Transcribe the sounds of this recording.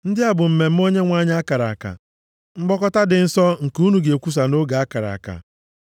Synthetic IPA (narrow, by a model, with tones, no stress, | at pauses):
n̩˦dɪ˦a˨bʊ˨m̩˨me˨m̩˦o˦ɲe˦ŋʷa˦ɲ˦a˦ka˨ɾa̰˨ka̰˨ | ŋ͡m̩˦ɡ͡bɔ˦kɔ˦ta˦dɪ˨n̩˦sɔ˦ŋ̩˨ku˦nu˨ɡe˨kʷu˦s̬a˨no˦ɡa˨a˦ka˨ɾa̰˨ka̰˨